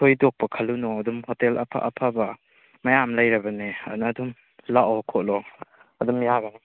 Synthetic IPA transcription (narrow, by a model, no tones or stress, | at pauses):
tʰojdok̚pɐkʰɐlunɔɐdumhotelʔɐ̰pʰa̰ʔɐ̰pʰabɐ | mɐjamlɐjɾɐbɐneɐ̰nɐdum | laʔokʰotlɔ | ɐdumjaɡɐni